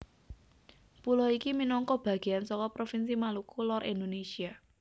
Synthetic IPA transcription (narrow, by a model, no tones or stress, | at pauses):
pulɔikiminɔŋkɔb̥ä̤ɡ̥e̤jansɔkɔpɾofinsimalukulɔɾʔind̪onesia